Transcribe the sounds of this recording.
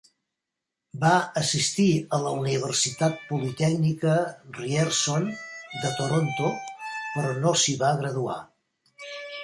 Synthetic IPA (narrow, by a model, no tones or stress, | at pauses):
baəsist̪iələuniβ̞ərsit̪at̪̚pulit̪ɛknikəriɛɾsond̪ət̪oɾont̪opəɾɔnosiβaɣɾəðua̰